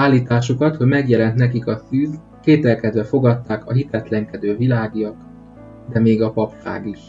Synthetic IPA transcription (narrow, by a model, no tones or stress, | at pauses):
aːlːiːt̪aːʃukɒt̪ho̞ɟmɛɡjɛlɛnt̪nɛkikɒsyːz | keːt̪ɛlkɛd̪ʋɛfo̞ɡɒt̪ːaːkɒɦit̪ɛt̪lɛŋkɛd̪øːvilaːɡijɒk | d̪ɛmeːɡɒpɒpʃa̰ːɡiʃ